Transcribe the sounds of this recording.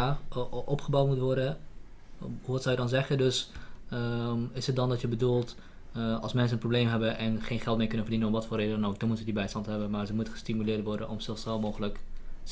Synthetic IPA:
aʔɔpχəbawtmutʋɔɹdə | ɦuʋɑtsɔwjədɑnzɛχədøs | ɪsət̚dɑndɑtjəbədulˠt | ɑ̰lˠsmɛns̬ənprobleːmɦɛbənʔɛnχeːnχɛlˠtmɪːkɵnənfərdinənɔpʋɑtfʊːreːdədɔnok̚dɔnmutədibɛjstɑntɦɛbənmaːɹzəmutəχəstimylɪːɹtʋɔɹdənʔɔmsɪlˠfsɛlˠmoːχələk

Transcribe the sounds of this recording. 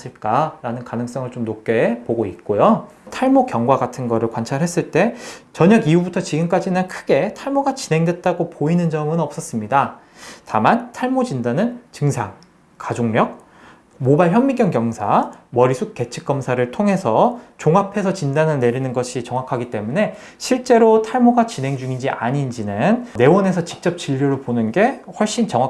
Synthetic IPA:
s͈ɯɭk͈aɾanɯnkanɯŋs͈ʌŋɯɭt͡ɕomnop̚k͈e̞poɡoit̚k͈ojo | tʰaɭmokjʌŋɡwaɡatʰɯnɡʌɾɯɭkwant͡ɕʰaɭɦe̞s͈ɯɭt͈e̞t͡ɕʌɲʌɡiubutʰʌt͡ɕiɡɯmk͈ad͡ʑinɯnkʰɯɡe̞tʰaɭmoɡat͡ɕinɦe̞ŋdwe̞t̚t͈aɡopoinɯnd͡ʑʌmɯnʌp̚s͈ʌs͈ɯmɲida | tamantʰaɭmod͡ʑindanɯnt͡ɕɯŋsʰaŋ | kad͡ʑoŋɾjʌk̚ | mobaɭçjʌmːikjʌŋkjʌŋsʰamʌɾisʰuk̚k͈e̞t͡ɕʰɯk̚k͈ʌmsʰaɾɯɭtʰoŋɦe̞sʰʌt͡ɕoŋapʰe̞sʰʌt͡ɕindanɯɭne̞ɾinɯnɡʌɕʰit͡ɕʌŋwakʰaɡit͈e̞mune̞ | ɕʰiɭt͡ɕ͈e̞ɾotʰaɭmoɡat͡ɕinɦe̞ŋd͡ʑuŋind͡ʑiaɲind͡ʑinɯnne̞wʌne̞s̬ʰʌt͡ɕi̥k̚t͡ɕ͈ʌp̚t͡ɕiʎːoɾoɭponɯnɡe̞hwʌɭɕ͈int͡ɕʌŋwa

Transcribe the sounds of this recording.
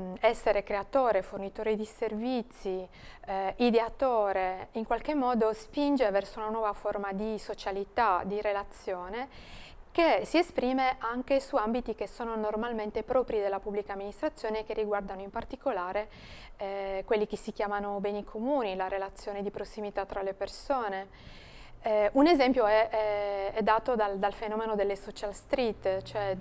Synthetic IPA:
ɛsːeɾekɾeat̪oːɾefornit̪oːɾed̪iservit̪sːi | id̪eat̪oːɾeiŋkwalk̟emːɔːd̪ospind͡ʒevɛrsounanwɔːvaformad̪isot͡ʃalit̪ad̪iɾelat̪sːjoːnekesiespɾiːmeʔaŋkesuambit̪ik̟esoːnonormalment̪epɾɔːpɾid̪elːapubːlikaːmːinist̪ɾat̪sːjoːnek̟erːiɡward̪anoimpart̪ikolaːɾe | kwelːik̟esːikjaːmanobɛːnikʰomuːnilaɾelat̪sːjoːned̪ipɾosːimit̪at̪ːɾalepersoːne | unezɛmpjoɛɛɛd̪ːaːt̪od̪ald̪alfenɔːmenod̪elːesɔt͡ʃalst̪ɾit̪ːt͡ʃoɛ

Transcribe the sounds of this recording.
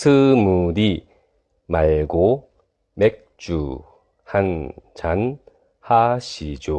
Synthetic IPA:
sʰɯmuɾi | maɭɡo | mek̚t͡ɕ͈u | hant͡ɕan | haɕʰid͡ʑo

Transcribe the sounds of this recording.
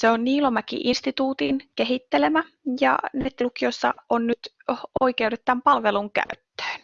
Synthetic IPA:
seonniːlomækḭʔinst̪it̪uːt̪inkeɦit̪ːele̞mæ | jɑ̰net̪ːlukijosːɑ̰ʔonnyt̪ | oikewɾet̪t̪ːæmpɑlʋe̞luŋkæ̰yt̪ːø̥ːn

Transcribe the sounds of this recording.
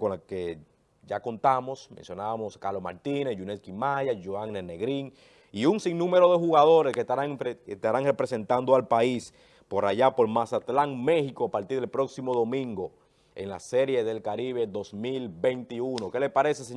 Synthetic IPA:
konlake | ʝako̞nt̪amo̞smẽnsjo̞naβamo̞skaɾloma̰ɾt̪inesʝuneskimaʝasʝoaŋnene̞ɣɾiŋ | iuŋsiŋnũme̞ɾo̞ðe̞xuɣað̞o̞ɾe̞sket̪aɾaŋest̪aɾaŋre̞pɾe̞se̞nt̪and̪oalpais | po̞ɾaʝapo̞lmasat̪laŋme̞xikoapaɾt̪iɾðelpɾo̞ksimo̞ðo̞mĩŋɡo̞ | eŋla̰se̞ɾjeðe̞lkaɾiβe̞ðo̞smilbe̞jnt̪iuno̞ke̞le̞spaɾe̞ses̬e

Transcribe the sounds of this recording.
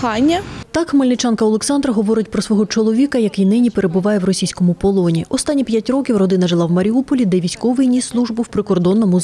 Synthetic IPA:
xɑnʲːɐt̪ɑkmɐlʲnɪt͡ʃɑnkɐɔlˠeksɑnd̪ɾɐɦɔʋɔɾɪtʲpɾɔsʋɔɦɔt͡ʃɔlˠɔʋʲikɐjɐkɪjnɪnʲipeɾebʊʋɑjɛwrɔsʲijsʲkɔmʊpɔlˠɔnʲiʔɔst̪ɑnʲːipʲjatʲrɔkʲiwrɔd̪ɪn̪ɐʒelˠɑwmɐɾʲiupɔlʲid̪ɛʋʲisʲkɔʋɪjnʲislˠuʒbʊwpɾɪkɔrd̪ɔnːɔmʊ

